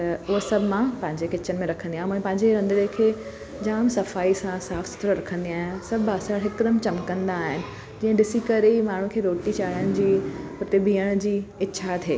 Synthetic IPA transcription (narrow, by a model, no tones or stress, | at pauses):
tt̪ɐʊɦsɐbʱɪmãpɐ̃ɦɪ̃ɲd͡ʑekɪt͡ɕənɪmẽɾɐkʰə̃nd̪iaːɦɛ̃ːpɐ̃ɦɪ̃ɲd͡ʑeɾɐ̃nd̪ɪɾekʰeː | d͡ʑaːmsɐfaːisãsaːfsʊ̥t̪ɾəɾɐkʰə̃nd̪iaːɦɪnsɐbʱɐsəɽɦɪkd̪əmt͡ɕɐmkːɐ̃nd̪aːɦɪnɪ̆ | d͡ʑiːə̃ɖɪsikɐɾeimaːɳ̤ũkʰeːɾoːʈit͡ɕaːɽəɽ̃d͡ʑiːpʊt̪ebʱiːəɽ̃d͡ʑiːɪːɕʰat̪ʰḛː